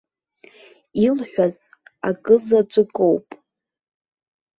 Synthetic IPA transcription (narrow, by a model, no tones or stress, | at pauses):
ilħʷᶣaz | akʼɨzad͡ʒʷʼɨkʼowpʼ